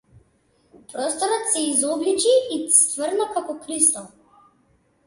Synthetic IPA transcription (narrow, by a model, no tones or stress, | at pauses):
pɾɔst̪ɔɾɔt̪sɛizɔblit͡ʃiːst̪vəɾnakakɔkɾist̪ɔ